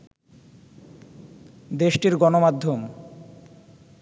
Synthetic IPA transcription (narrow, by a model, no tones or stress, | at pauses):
d̪eʃʈiɾɡɔnomad̪ʱːom